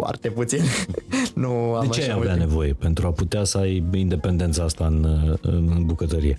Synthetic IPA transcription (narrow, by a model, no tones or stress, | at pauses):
foa̰rt̪eput̪sinnuad̪t͡ʃeaveane̞vo̞je̞pe̞nt̪ɾuaput̪easəajind̪e̞pe̞nd̪ent̪səast̪aɨnɨ̰nbukət̪əɾije̞